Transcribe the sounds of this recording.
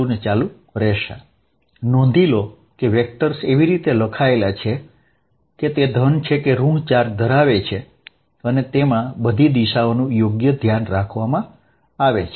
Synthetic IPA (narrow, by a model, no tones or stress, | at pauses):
unet͡ʃalũ | ɾɛʃa̰ | nɔ̃n̆d̪ʱilo | keʋek̚ʈəɾseʋiɾit̪eləkʰaelat͡ʃʰe | ket̪ed̪ʱənt͡ʃʰekeɾũɳt͡ʃaɾd̪ʱəɾaʋet͡ʃʰe | ənet̪emãbəd̪ʱid̪iʃaonũjoɡjəd̪ʱjanɾakʰʋamã | aʋet͡ʃʰ